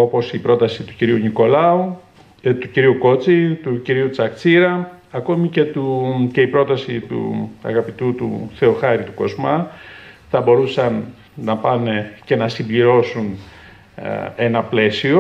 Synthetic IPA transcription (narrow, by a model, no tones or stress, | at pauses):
o̞po̞sipɾo̞t̪ɐsit̪uciɾiuniko̞lɐu | t̪uciɾiuko̞t͡sit̪uciɾiut͡sɐkt͡siɾɐɐko̞mice̞t̪uce̞ipɾo̞t̪ɐsit̪ṵɐ̰ɣɐpit̪ut̪ṵθe̞o̞xɐɾit̪uko̞zmɐ | θɐbo̞ɾusɐnː | ɐpɐnece̞nɐsimbliɾo̞sun | e̞nɐple̞sio